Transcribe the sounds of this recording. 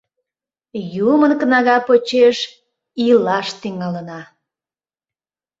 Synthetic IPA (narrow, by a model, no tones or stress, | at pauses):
jumənkənɑɣɑpot͡ɕeʃ | ilɑʃt̪iŋɑlənɑ